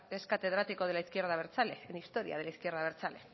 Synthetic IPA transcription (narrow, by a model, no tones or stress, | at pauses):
eskat̪e̞ð̞ɾat̪iko̞ð̞e̞laiskje̞ɾð̞aβ̞e̞ɾt͡sale̞enist̪o̞ɾḭa̰ð̞e̞laiskje̞ɾðaβ̞e̞ɾt͡sale̞